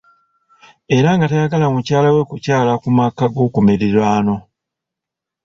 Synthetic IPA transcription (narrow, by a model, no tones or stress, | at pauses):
e̞ɾaŋɡatajaɡalamucaːlawe̞kucaːlakumakaɡo̞ːkumeɾiɾwaːno̞